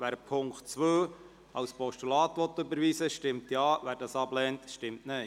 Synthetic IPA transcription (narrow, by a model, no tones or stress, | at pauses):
ʋæːɾpʰʊŋktt͡sʋøː | ɑwspʰɔʃtulɑːtʋɔt̪ːɵbəɾʋiːsəʃtɪmtjɑːʋæːɾdɑːsɑblɛːntʃtɪmtnɛ